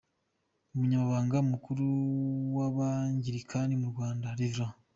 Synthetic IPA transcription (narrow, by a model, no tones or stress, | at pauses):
umuɲamaβaːŋɡamukuɾuwaβaɲɟiɾikʰandimuɾɡwaːndaɾizɾa